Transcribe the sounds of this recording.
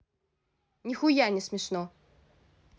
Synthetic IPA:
nʲixujanʲɛsʲmʲɛʂnɔ

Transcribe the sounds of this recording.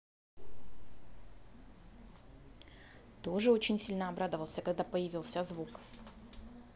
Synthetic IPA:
t̪o̞ʐɨo̞t͡ɕɪnʲsʲilʲnəɐbɾad̪əvəlˠsʲəkɐɡ̚d̪apəjɪvʲilˠsʲəzvuk

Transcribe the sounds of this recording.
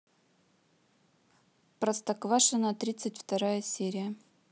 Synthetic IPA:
pɾɐst̪ɐkvaʂɨnət̪ɾʲit̪sɨtʲft̪ɐɾajəsʲeɾʲɪjə

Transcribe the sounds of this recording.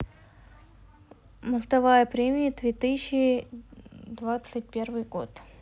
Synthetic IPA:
məst̪ɐvajəpɾʲemʲɪjəd̪vʲet̪ɨɕːɪ | d̪vat̪sɨt̚ʲpʲervɨjɡo̰t̪

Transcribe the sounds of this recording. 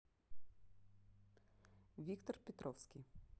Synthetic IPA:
vʲikt̪ɔrpʲɛt̪ɾʔɔwsʲkʲij

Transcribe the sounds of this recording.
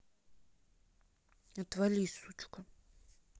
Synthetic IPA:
at̪valʲisut͡ʃka

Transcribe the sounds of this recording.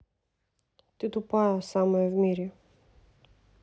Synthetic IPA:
t̪it̪upajɐsamoɛvmiɾɛ

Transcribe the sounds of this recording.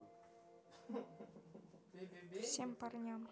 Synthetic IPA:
fsʲemʲpɑrnʲɑm

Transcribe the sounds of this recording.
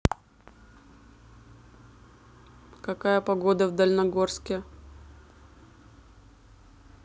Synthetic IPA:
kɐkajəpɐɡo̞d̪əvd̪əlʲnɐɡorskʲɪ

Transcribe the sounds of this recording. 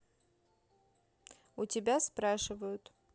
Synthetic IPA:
utʲɪbʲaspɾaʂɨvəjʊt̪ʼ

